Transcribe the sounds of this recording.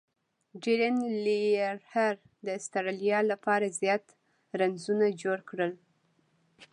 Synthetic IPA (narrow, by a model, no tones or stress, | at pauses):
d͡ʒeɾanliaɾhaɾ | d̪əɪst̪aɾalijɑlapɑɾazjɑt̪ | ɾanzunad͡ʒoɽkɽəl